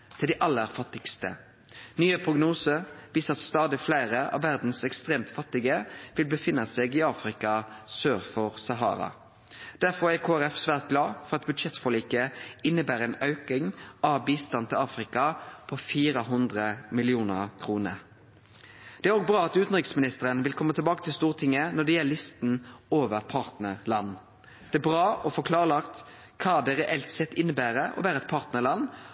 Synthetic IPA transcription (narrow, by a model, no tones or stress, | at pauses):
t̪ʰɪld̪ɛʔɑlːəɾfɑt̪ːɪkst̪ə̰ | nyːəpʰʁʊɡnuːsəʋiːsəɑt̪st̪ɑːd̪ɪflæɪʁəʔɑ̰ʋːæʁd̪n̩sɛkst̪ʁeːmt̪fɑt̪ːɪɡəʋɪlbəfɪnːəseːɡɪɑːfʁɪkɑsøːʁfɔʁsɑɦɑ̰ːɾɑ̰ | d̪̥æʁfɔʁækʰoːæʁɛfsʋæːʁt̪̚ɡlɑːfɔʁɑt̪̚bʉd̪ʃɛt̪fɔliːkəɪnːəbæːʁəɛnɑʉkɪŋɑʋbiːst̪ɑnt̪ʰɪlɑːfɾɪkɑpʰɔfiːɾəɦʊnd̪ʁəmɪlɪuːnəʁkʰʁuːnə̰ɾ | d̪̥ɛæɾoːɡ̚bɾɑːɑt̪ʉːt̪n̩ʁɪksmɪnɪst̪əʁənʋɪlkʰɔmːət̪ʰɪlbɑːkət̪ʰɪlst̪uːʁt̪ʰɪŋːənɔɖ̪ɛjɛllːɪst̪n̩oːʋəɾpʰɑːʁt̪nəʁlɑnː | d̪̥ɛæbʁɑːʔɔfɔkʰlɑːʁəlɑkt̪ | kʰɑːd̪ɛɾɛʔɛlt̪sɛt̪ːɪnːəbæːɾəʔɔ̰bæːɾəɛt̪̚pʰɑːʁt̪nəɭɑn